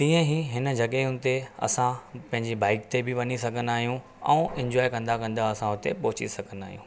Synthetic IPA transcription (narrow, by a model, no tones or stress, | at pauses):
t̪ĩːə̃ɦiɦɪnə̆d͡ʑɐɠeʊnɪ̆t̪eɐ̰sãpɐ̃ɦɪ̃ɲd͡ʑibaːɪkt̪ebɪʋɐnisɐɡʱə̃nd̪aːɦijũ | ɛ̰̃ːʔɪ̃ɲd͡ʑɔːɪkɐ̃nd̪akɐ̃nd̪aɐsãɦʊt̪ḛpɔɦʊt͡ɕḭsɐɡʱənd̪aːɦijũː